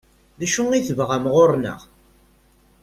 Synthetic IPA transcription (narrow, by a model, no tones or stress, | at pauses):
ðæʃuŋiθəvʁamʁoɾˤnə̰ʁ